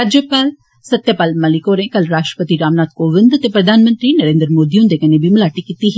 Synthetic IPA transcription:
ɾaːd͡ʒjəpaːl | sɐt̪japaːlmɐlɪkoːɾẽkɐlɾaːʃʈɾəpət̪iɾaːmnaːt̪koʋɪ̃nd̪ɐt̪epɾɐd̪ʱaːnmə̃nt̪ɾinɐɾẽːnd̪ɾmoːd̪iʊ̃nd̪ekɐnẽbʱimʊlaːʈikit̪iɦ

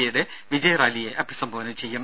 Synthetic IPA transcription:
ɐjuɽe̞ʋid͡ʑɐjɐraːlijeʔɐpːisɐmbʱɐʋɐnɐmt͡ɕe̞jːum

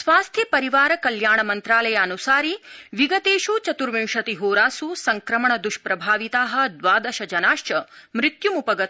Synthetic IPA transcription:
sʋaːst̪ʰjɐpɐɾiʋaːɾɐkɐljaːɳɐmɐnt̪ɾaːlɐjaːnusaːɾiʋiɡɐt̪eːʃut͡ʃɐt̪uɾʋĩŋʃɐt̪iɦoːɾaːsusɐŋkɾɐmɐɳɐd̪uʃpɾɐbʱaːʋit̪aːɦɐ̆d̪ʋaːd̪ɐʃɐd͡ʒɐnaːʃt͡ʃɐmɾɪt̪jumupɐɡɐt̪̚

